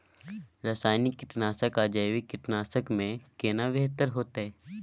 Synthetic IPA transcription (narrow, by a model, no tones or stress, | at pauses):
ɾasaːjnikːɪʈnaːsəkaːd͡ʒajʋikɪʈnaːsəkmẽkeːnaʋeɦt̪əɾɦoːt̪aɦɛː